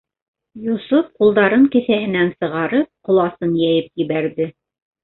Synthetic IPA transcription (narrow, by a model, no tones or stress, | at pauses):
jusofqulˠd̪ɑɾɤɴkɘ̆θæhɘ̆nænsɤ̆ʁɑɾɤp̚qŏlˠɑsɤnjæjɘp̚jɘ̆βæɾðɘ